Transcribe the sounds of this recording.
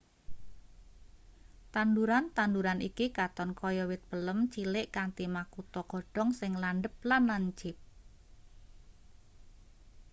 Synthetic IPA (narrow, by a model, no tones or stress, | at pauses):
t̪and̪uɾant̪and̪uɾanikikat̪ɔnkɔjɔwɪt̪̚b̥ələmt͡ʃilɪʔkant̪imakut̪ɔɡ̥ɔ̤ɖ̥ɔ̤ŋsɪŋlanɖəp̚lanlaɲd͡ʒɪp̚